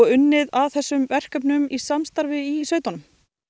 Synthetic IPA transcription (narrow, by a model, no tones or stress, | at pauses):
ʏnːɪðaðθɛsːʏmvɛr̥kœːp̬nʏmisamst̪aɾvɪisvœːɥt̪anʏm